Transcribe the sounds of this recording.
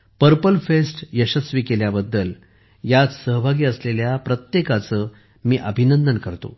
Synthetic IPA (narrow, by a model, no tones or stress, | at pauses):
pəɾpəlfesʈjəɕəsʋiːkeljabəd̪ːəl | jat͡ssəɦbʱaɡiːəsleljapɾət̪jekat͡səː | miːʔəbʱinənd̪ənkəɾt̪o̰